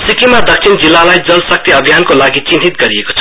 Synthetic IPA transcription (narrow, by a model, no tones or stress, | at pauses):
sikimad̪ʌk̚sʰind͡zilːalajd͡zʌlsʌk̚t̪iʌbʱjankolaɡit͡sinɦ̪it̪ɡʌɾieko̥t͡sʰʌ